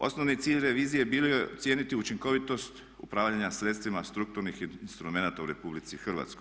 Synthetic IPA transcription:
o̞̰snoʋnit̪siːʎɾe̞ʋiːzije̞biːlojet̪sje̞ːnit̪iut͡ʃiŋko̞ʋit̪o̞st̪ | upɾaːʋʎaɲasɾe̞t̪st̪ʋimast̪ɾuk̚t̪uɾnixnst̪ɾume̞nat̪auɾe̞publit̪sixr̩ʋa̰t̪sko̞j

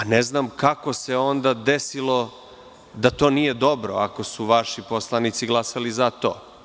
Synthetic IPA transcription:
aneznaːmkako̞se̞o̞nd̪ad̪esilˠo̞ | d̪at̪o̞ːnije̞d̪o̞bɾoako̞suʋaʃipo̞slˠanit̪siɡlˠasalizat̪o̰ː

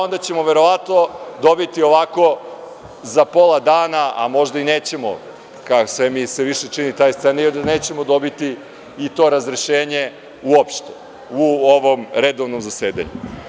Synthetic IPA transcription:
o̞nd̪at͡ɕe̞mo̞ʋe̞ɾo̞ʋat̪nod̪o̞bit̪io̞ʋako̞ | zapo̞lˠad̪aːnaa̰mo̞ʒd̪aineːt͡ɕe̞mo̰ | kakosʋemiseʋiʃe̞t͡ʂinit̪aːjst̪enajond̪aneːt͡ɕe̞mo̞d̪o̞bit̪iː | t̪o̞ːɾazɾeʃeːɲe̞ | uopʃt̪e̥ | uoʋo̞mɾed̪o̞ʋnomzaseːd̪a̰ɲṵ

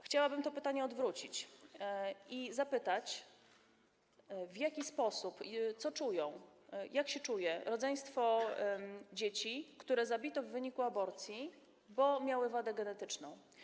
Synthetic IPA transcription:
xt͡ɕawabɘmt̪ɔpɘt̪aɲɛɔd̪vɾut͡ɕit͡ɕ | izapɘt̪at͡ɕ | vʲjakʲispɔsupt̪sɔt͡ʂujɔ̃w̃jakɕɛt͡ʂujɛɾɔd̪zɛj̃st̪fɔ | d͡ʑet͡ɕikt̪uɾɛzabʲit̪ɔvːɘɲikuabɔɾt̪sʲji | bɔmʲjawɘvad̪ɛɡɛnɛt̪ɘt͡ʂnɔ̰̃w̃

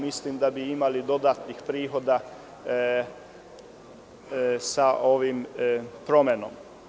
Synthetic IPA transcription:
mislimd̪abiimalid̪o̞d̪aːt̪nixpɾiːxo̞d̪a | saʔoʋimpɾomeno̰m

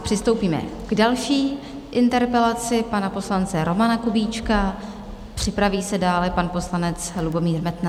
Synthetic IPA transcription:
pr̥ɪst̪o̞wpiːmɛ̰ɡ̥dalʃiː | ʔɪnt̪ɛɾpɛlat͡sɪpanapo̞slant͡sɛɾo̞manakubiːt͡ʃka | pr̝̥ɪpɾaviːsɛdaːlɛpanpo̞slanɛt͡slubo̞miːɾmɛt̪na

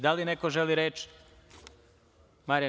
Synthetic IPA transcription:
d̪alinekoʒeliɾeːt͡ʃ | maɾia

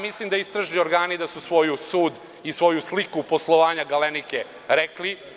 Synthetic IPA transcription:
mislimd̪aist̪ɾaʒnio̞ɾɡaːnid̪asusʋo̞jusuːd̪ | isʋo̞juslikuposlˠoʋaːɲaɡalenike | ɾekli

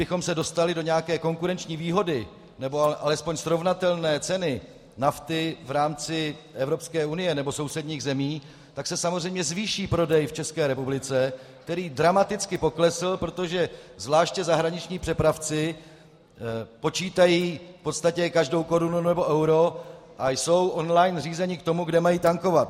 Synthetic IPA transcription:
bɪxo̞msɛdo̞st̪alɪdo̞ɲɛakɛːko̞ŋkuɾɛnt͡ʃɲiːviːɦo̞dɪ | nɛbo̞aʔalɛspo̞ɲsɾo̞vnat̪ɛlnɛːt͡sɛnɪ | naft̪ɪvɾaːmt͡sɪʔɛvɾo̞pskɛːunɪjɛnɛbo̞so̞wsɛdɲiːɣzɛmiː | t̪aksɛsamorɛjmɲɛzviːʃiːpɾo̞dɛjft͡ʃɛskɛːɾɛpublɪt͡sɛ | k̚t̪ɛɾiːdɾamat̪ɪt͡skɪpo̞klɛsɪlpɾo̞t̪oʒɛzvlaːʃcɛzaɦɾaɲɪt͡ʃɲiːpr̥ɛpɾaft͡sɪ | po̞t͡ʃiːt̪ajiːfpo̞t̪st̪acɛkaʒdo̞wko̞ɾununnɛbo̞ʔɛwɾo̞ | ʔajso̞wʔo̞nlajnriːzɛɲɪkt̪o̞muɡdɛmajiːt̪aŋko̞vat̪

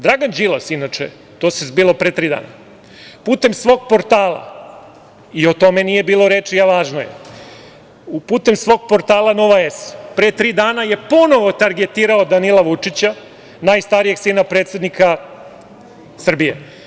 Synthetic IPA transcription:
d̪ɾaɡand͡ʑilˠasinat͡ʂḛ | t̪oːsezbilopɾet̪ɾiːd̪a̰ːna | puːt̪e̞msʋo̞ːɡ̚po̞ɾt̪aːlˠa̰ | iot̪o̞me̞nije̞biːlˠo̞ɾet͡ʂijaʋaːʒnojḛ | upuːt̪e̞msʋo̞ɡ̚po̞ɾt̪aːlˠanoʋaespɾeːt̪ɾiːd̪aːnaje̞po̞no̞ʋo̞t̪aɾɡe̞t̪iːɾaod̪anilaʋut͡ʂit͡ɕa | najst̪aɾije̞ɡsiːnapɾet̪se̞d̪nikʰa | sr̩bije̞̰

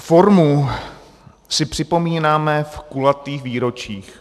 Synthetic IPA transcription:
fo̞ɾmu | sɪpr̝̥ɪpo̞miːnaːmɛfkulat̪iːxviːɾo̞t͡ʃiːx

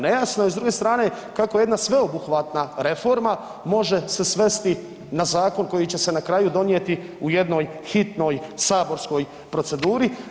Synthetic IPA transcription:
ne̞jasnoizd̪ɾuɡe̞st̪ɾaːne̞ | kakoje̞d̪nasʋe̞obuxʋat̪naɾe̞fo̞ɾma | mo̞ʒe̞se̞sʋe̞st̪i | nazaːko̞nko̞jit͡ɕe̞se̞nakɾaːjud̪o̞nje̞t̪i | uje̞d̪no̞ːjxit̪no̞jsaːbo̞ɾsko̞j | pɾo̞t̪se̞d̪uːɾi

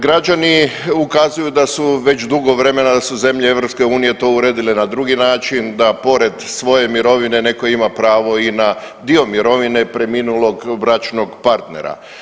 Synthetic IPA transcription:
ɡɾad͡ʒaniukazujud̪asuʋe̞t͡ʃd̪uɡo̞ʋɾe̞me̞nad̪asuze̞mʎee̞ʋɾo̞pske̞uːnije̞t̪o̞uɾeːd̪ile̞nad̪ɾuɡinaːt͡ʃind̪apo̞ɾe̞d̪sʋo̞je̞miɾo̞ʋine̞ne̞ko̞imapɾaːʋo̞ina | d̪io̞miɾo̞ʋine̞pɾe̞minulˠo̞ɡʋɾat͡ʃno̞ɡpaɾt̪ne̞̰ɾa̰

